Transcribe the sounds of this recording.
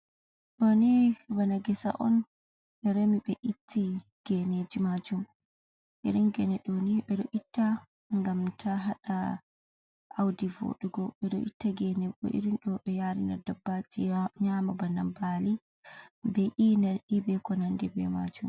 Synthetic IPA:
ɗɔnibanaɡɛsa̰ʔɔ̰n | ɛɾemiɓɛʔitːiɡ̥ɛned͡ʒimad͡ʒum | ʔḭɾinɡɛnɛɗɔniɓɛɗɔʔitːa | ŋɡamtʰaɦaɗa | ʔawdivo̰ɗuɡɔɓɛɗɔ̰ʔitːaɡɛnɛɔ̰ʔḭɾinɗɔɓɛjaɾina̰dabːad͡ʒiɲaːmabana̰mbali | bɛʔinaɗibɛkɔnandɛbɛ̰ma̰d͡ʒum

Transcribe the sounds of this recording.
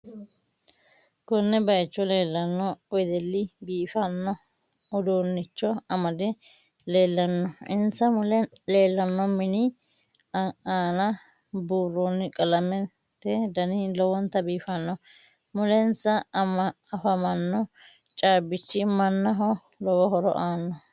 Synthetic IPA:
kɔnːɛbɐjt͡ʃːɔle̞ːlːɐnːɔɔjd̪ɛlːɪbiːfɐnːɔ | ɔd̪oːnːɪt͡ʃːɔɐmɐd̪ɛ | le̞ːlːɐnːɔʔɪnsɐmlɛ | le̞ːlːɐnːɔmɪnɪ | aːnɐ | buːɾonːɪkʼɐlɐmɛ | t̪ːɛd̪ɐnɪlɔwɔnt̪ɐbiːfɐnːɔ | mʊlɛnsɐmɐːfɐmɐnːɔ | t͡ʃʼaːbɪt͡ʃːɪmɐnːɐɦɔ | lɔwɔɦɔɾɔ̰ʔaːnːɔ

